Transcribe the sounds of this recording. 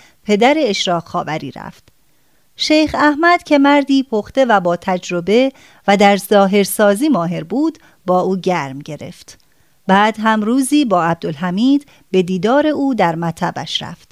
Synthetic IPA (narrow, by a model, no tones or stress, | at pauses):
pʰe̞d̪æɾe̞ːʃɾɒːɣxɒːvæɾḭːɾæ̰ft̪ | ʃejxæhmæd̪̥cʰe̞mæɾd̪iːpʰoxt̪e̞væbɒːt̪ʰæd͡ʒɾo̞be̞ | væd̪æɾzɒːɦe̞ɾsɒːziːmɒːɦe̞ɾbuːd̪ | bɒːuːɟæɾmɟe̞ɾe̞̰ft̪ | bæːd̪̥ɦæmɾuːziːbɒːæb̚d̪olɦæmiːd̪ | b̥e̞d̪iːd̪ɒːɾe̞uːd̪æɾmæt̪ʰæbæ̰ʃɾæ̰ft̪